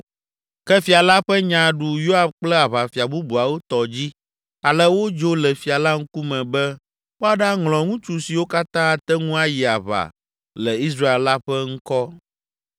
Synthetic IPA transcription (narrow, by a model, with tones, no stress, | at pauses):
kɛ˦fi˨a˨la˦ɸɛ˦ɲã˨ɖu˨jo˦a˨b̚k͡plɛ˦a˨βa˨fi˨a˨bu˦bu˨a˨wo˦t̪ɔ˨d͡ʑi˦ | a˨lɛ˦wo˦d͡ʒo˦lɛ˨fi˨a˨la˦ŋ̩˦ku˦mɛ̃˨bɛ˦ | wo˦a˨ɖa˦ŋlɔ̃˨ŋũ˦t͡ʃu˨si˨wo˦ka˦t̪ã˦a˨t̪ɛ˦ŋũ˦a˦ji˨a˨βa̰˨ | lɛ˨i˦s̬ɾa˦e˨lla˦ɸɛ˦ŋ̩̃˦kɔ˦